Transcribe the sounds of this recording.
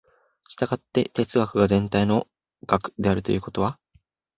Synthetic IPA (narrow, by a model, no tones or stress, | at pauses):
ɕi̥t̪aɡat̪ːe̞t̪e̞t͡sɨɡakɯ̟ɡazẽ̞nt̪aino̞ | ɡ̥akɯ̟̥d̪e̞aɾɯ̟t̪o̞jɯ̟ːko̞t̪o̞βa